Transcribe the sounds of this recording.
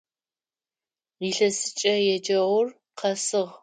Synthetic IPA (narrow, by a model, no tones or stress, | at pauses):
iːɬɐsɨt͡ʃʼɐjɛd͡ʒɐʁʷʊr | qʰɐsɨʁ